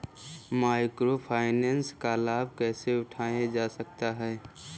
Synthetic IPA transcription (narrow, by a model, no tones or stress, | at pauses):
maːɪkɾopʰaːɪnɛːnskalaːbʱkɛːseʊʈʰaːẽd͡ʒaːsək̚t̪aɦɛː